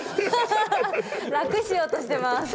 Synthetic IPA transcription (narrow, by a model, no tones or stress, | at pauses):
ɾakɯ̟ɕijo̞ːt̪o̞ɕi̥t̪e̞mas